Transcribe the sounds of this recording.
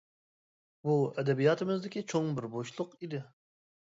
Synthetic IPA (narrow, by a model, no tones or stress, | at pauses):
buɛd̪ɛbijɑt̪ʰɨmɪzd̪ɪkʲit͡ʃʰoŋbɪɾboʃlˠʊqid̪ɪ